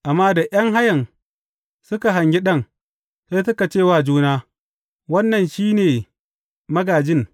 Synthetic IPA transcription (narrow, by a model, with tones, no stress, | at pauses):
ʔa˨mːaː˦da˨ʔj̰ɐ˦ŋɦa˦jɐ˨n | sʊ˦ka˨ɦa˨ɲɡɪ˦ɗɐ˦˨ŋ | se˦jsʊ˦ka˨t͡ʃeː˦˨waː˦˨d͡ʒuː˦naː˦ | wɐ˦nːɐ˨nʃiː˦neː˨ | mɐ˦ɡaː˨d͡ʒɪ˦˨ŋ